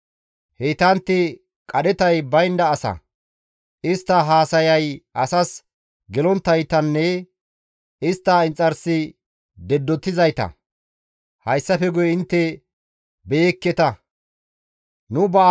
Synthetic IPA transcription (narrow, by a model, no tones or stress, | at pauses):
heːt̪ɐnt̪ːɪ | kʼɐɗɛt̪ɐjbɐjnd̪ɐːsɐ̰ | ʔɪst̪ːɐɦaːsɐjɐjʔɐsɐs | ɡɛlɔnt̪ːɐjt̪ɐnːɛ | ɪst̪ːɐɪnt͡sʼːɐɾsɪ | d̪ɛd̪ːɔt̪ːɪzɐjt̪ɐ̰ | hɐjsːɐfɛɡʊjɛɪnt̪ːɛ | bekːɛt̪ɐ | nʊbɐ